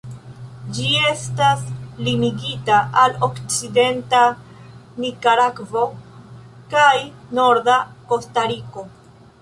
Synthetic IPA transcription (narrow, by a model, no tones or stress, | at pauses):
d͡ʒie̞staslimiɡitaʔalokt͡side̞nta | nikaɾakvo̞ | kajno̞ɾdako̞staɾiko̞